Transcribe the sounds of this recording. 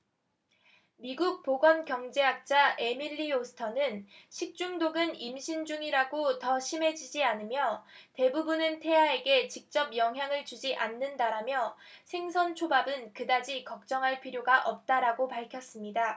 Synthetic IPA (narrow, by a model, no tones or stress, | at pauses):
miɡuk̚p͈oɡʌnkjʌŋd͡ʑe̞ɦak̚t͡ɕ͈ae̞miʎːiosʰɯ̥tʰʌnɯnɕʰik̚t͡ɕ͈uŋdoɡɯnimɕʰind͡ʑuŋiɾaɡotʌɕʰime̞d͡ʑid͡ʑianɯmjʌte̞bubunɯntʰe̞ɦae̞ɡe̞t͡ɕik̚t͡ɕ͈ʌp̚jʌŋɦjaŋɯɭt͡ɕud͡ʑiʔanːɯndaɾamjʌsʰe̞ŋsʰʌnt͡ɕʰobabɯnkɯdad͡ʑikʌk̚t͡ɕ͈ʌŋɦaɭpʰiɾjoɡaʔʌp̚t͈aɾaɡopaɭkʰjʌs͈ɯmɲida